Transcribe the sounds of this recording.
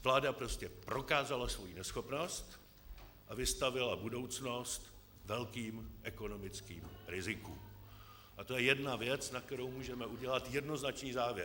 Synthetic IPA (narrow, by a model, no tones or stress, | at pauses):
vlaːdapɾo̞scɛpɾo̞kaːzalasvo̞jinɛsxo̞pno̞st̪ | ʔavɪst̪avɪlabudo̞wt͡sno̞st̪ | vɛlkiːmʔɛko̞no̞mɪt͡skḭːmɾɪzɪkum | ʔat̪o̞jɛjɛdnavjɛt͡snak̚t̪ɛɾowmuːʒɛmɛʔuɟɛlat̪jɛdno̞znat͡ʃniːzaːvjɛɾ